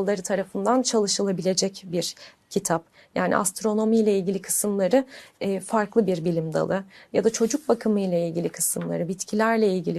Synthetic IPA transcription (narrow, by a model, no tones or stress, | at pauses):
lˠːaɾɯt̪ʰaɾafɯnd̪ant͡ʃʰalˠɯʃɯlˠabilʲe̞d͡ʒɛcbiɾ | cʰit̪ʰap | jaːnʔḭʔa̰st̪ɾo̞no̞mijlʲɛilʲɟʲilʲikʰɯ̥sɯmlˠaɾɯːfaɾklˠɯbiɾbilʲimd̪a̰lˠɯjad̪at͡ʃʰo̞d͡ʒuk̚bakʰɯmɯjlʲˠailʲɟilʲikʰɯ̥sɯmlˠa̰ɾɯbit̪cʰilʲæɾlʲɛilʲɟilʲi